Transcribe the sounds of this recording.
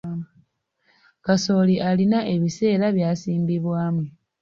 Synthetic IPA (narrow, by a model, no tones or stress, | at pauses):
kaso̞ːliʔalinaʔe̞βise̞ːɾaβjaːsiːmbiβwaːmwe